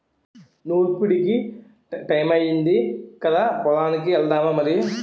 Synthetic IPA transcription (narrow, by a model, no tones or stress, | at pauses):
nuːɾpuɽiki | ʈɐjmɐjind̪ikɐd̪aːpɔlaːnikiɛld̪aːmamɐɾi